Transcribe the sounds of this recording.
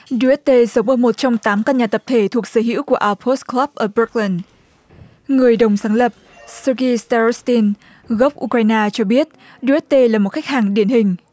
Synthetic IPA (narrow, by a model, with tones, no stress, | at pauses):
ɗu˧ɛ˦˥t̚t̪e˧zə˨˦ŋ͡mʔəː˧˩mo˨˩t̚t͡ɕɔ˧wŋ͡mt̪aː˨˦mka˧nɲaː˨˩t̪ə˨˩p̚t̪ʰe˧˩t̪ʰu˨˩ək̚səː˧˩ɦḭ˧˥˦wku˧˩əʔaː˧wfo˦˥sklaː˦˥p̚ʔəː˧˩bu˦˥k̚li˧˩n | ŋɨ˨˩əjɗə˨˩wŋ͡msaː˨˦ŋlə˨˩p̚ | sə˧ɣi˧st̪ɛ˧˦˥st̪i˧n | ɣə˦˥wk͡p̚ʔu˧kwa˧jnaː˧t͡ɕɔ˧ɓi˦˥ət̚ | ɗu˧ʔɛ˦˥t̚t̪e˧laː˨˩mo˨˩t̚xa˦˥k̚haː˨˩ŋɗi˧˩ənɦï˨˩ŋ̟